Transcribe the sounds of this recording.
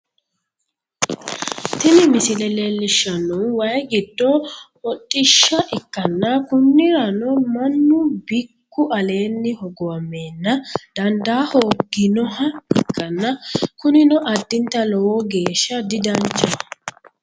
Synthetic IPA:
t̪ɪnɪmɪsɪlɛlelːɪʃːɐnːɔwɐjɡɪd̪ːɔ | ɔtʼːɪʃːɐʔɪkːɐnːɐkʊnːɪɾɐnɔmɐnːʊbɪkːʊʔɐle̞ːnːɪhɔɡɔwɐmːeːnːɐd̪̥ɐnd̪aːhoːɡɪnɔhɐɪkʰːɐnːɐkʊnɪnɔʔɐd̪ːɪnt̪ːɐlɔwɔɡe̞ːʃːɐd̪ɪd̪ɐnt͡ʃɐ

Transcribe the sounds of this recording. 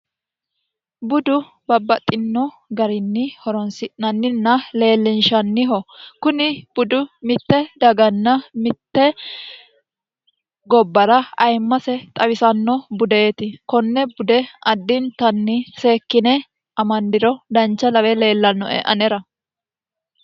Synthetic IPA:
bʊd̪ʊ | bɐbːɐt̪ʼːɪnːɔ | ɡɐɾɪnːɪhɔɾɔnsɪʔnɐnːɪnːɐle̞ːlːɪnʃɐnːɪɦɔkʊnɪb̥ʊd̪ʊmɪt̪ːɛd̪ɐɡɐnːɐmɪt̪ːɛ | ɡɔbːɐɾɐɐjmːɐsɛt̪ʼɐwɪsɐnːɔbʊd̪e̞ːt̪ɪkɔnːɛbʊd̪ɛʔɐd̪ːɪnt̪ɐnːɪse̞ːkːɪnɛ | ʔɐmɐnd̪ɪɾɔd̪ɐnt͡ʃːɐlɐwɛle̞ːlːɐnːɔɛ̰ʔɐ̰nɛɾɐ

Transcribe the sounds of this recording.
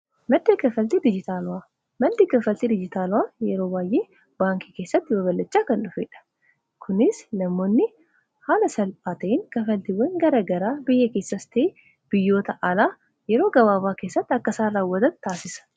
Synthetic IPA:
mɐd̪ːeːkɐfɐlt̪ed̪ɪd͡ʒɪt̪aːlʊwaː | mɐd̪eːkɐfɐlt̪ɪd̪ɪd͡ʒɪt̪aːlʊwaːjɛɾo̞ːbaːjʔeː | baːŋkike̞ːsːɐt̪ːɪbɐbɐlːɐt͡ʃːaːkɐnᶑʊfeːᶑɐ̥ | kʰʊnɪsnɐmːo̞ːnːɪ | haːlɐsɐlpʼaːt̪ɐɪŋkɐfɐlt̪ɪwɐŋɡɐɾɐɡɐɾaːbɪjːɛke̞ːsːɐst̪eː | b̥ɪjːo̞ːt̪ɐʔɐlaː | jɛɾo̞ːɡɐβaːbaːke̞ːsːɐt̪ːɐkːɐsaːraːwːɐt̪ɐt̪t̪ːaːsɪsɐ̥

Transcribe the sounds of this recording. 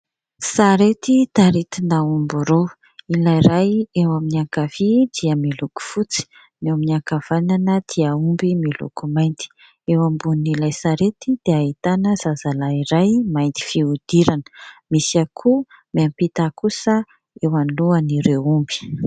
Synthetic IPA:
saɾet̪it̪aɾit̪inaumbuɾo | ilajɾajewaminiaŋkavid̪iəmiluku̥fut͡si̥ | neaminiaŋkav̥ananəd̪̥iaumbimilṵkumajnt̪i̥ | ewambunilajsaɾet̪id̪̥eaɦit̪anəz̥azalaiɾajmajnt̪i̥fiud̪̥iɾanə̥misakʰumiampit̪akusə | ewanluaniɾeumbi̥

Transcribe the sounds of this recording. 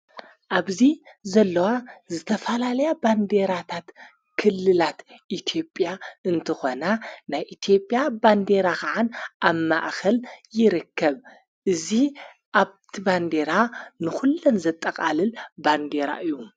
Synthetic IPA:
ʔaβzizɐlːɐwazɨt̪ʰɐfɐlalɐjaband̪e̞ɾat̪ʰat̪ | kʰɨlːɨlat̪ʔit̪ʰijo̞pʼjaɨnt̪ʰɨxo̞nanajʔit̪ʰjo̞pʼːjaband̪e̞ɾakaʕanʔaβma̰ʔkʰɐljɪɾɨkʰːɐβ | ʔɨzi | ʔaβt̪ʰiband̪e̞ɾanɨxulːonzɐt̪ʼːɐkʼalɨlband̪e̞ɾa̰ʔɨjːu

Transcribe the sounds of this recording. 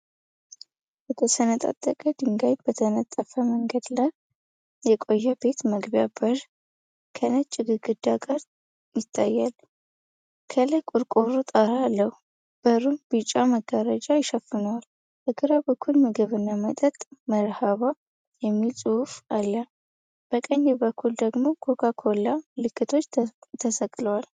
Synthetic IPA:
bət̪ʰəsənət̪ʼa̰t̪ʼːəkʼəd̪ɨŋɡaj̪bət̪ʰənət̪ʼːəfəməŋɡəd̪laj | jɛkʼojːabe̞t̪məɡbjabəɾ | kʰənət͡ʃʼːɪɡɨɡɨd̪ːaɡaɾ | jɪt̪ʰʼːajːal | kʰələkʼuɾkʼoɾut̪ʼaɾaːlːəhu | b̥əɾumb̥ɨt͡ʃʼːaməɡəɾəd͡ʒʼajɪʃəfːɨnəwal | ʔəɡɨɾabəkʰːulmɨɡɨβɨnːamət̪ʼət̪ʼməɾhaβa | jɛmːilsʼuufalːa | b̥əkʼəɲːɛbəkʰːuld̪əɡmo̞ɡʰokʰakʰolːalɨkʰːɨt̪ʰo̞t͡ʃːt̪ʰəsəkʼləwal

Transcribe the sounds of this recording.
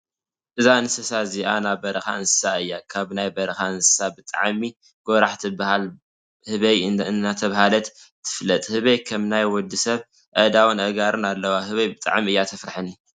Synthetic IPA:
ʔɨzaɨnsɐsaziʔanabɐɾɐxa̰ɨnsɨ̥saɨjːakʰaβnajbɐɾɐxaɨnsɨ̥sabɨt̪ʼa̰ʕmi | ɡ̥oɾaħt̪ʰibahal | hɨβɐjːat̪ʰɐβhalɐt̪ | t̪ʰːɨ̥flːɐt̪ʼhɨβɐjkʰɐmnajwɔd̪ːisɐβ | ʔɐd̪awunʔɐɡaɾɨnalːɐwahɨβɐjbɨt̪ʼa̰ʕmɨjːat̪ʰɐfɾħɨni

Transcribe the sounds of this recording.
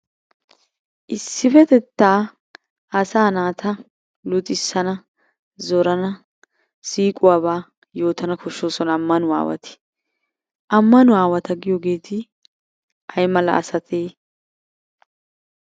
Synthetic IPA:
ʔɪsːɪfɛt̪ɛt̪ːaː | ɐsaːnaːt̪ʰɐ | lʊt̪ʼɪsːɐnɐ | zɔɾɐnɐ | siːkʼʊwaːbaː | jo̞ːt̪ɐnɐkɔʃːoːsɔnɐmːɐnʊa̰ːwɐ̰t̪ɪ̥ | ʔɐmːɐnʊaːwɐt̪ɐɡɪjoɡe̞ːt̪ʰɪ | ɐjmɐlɐ̰ːsɐt̪ʰeː

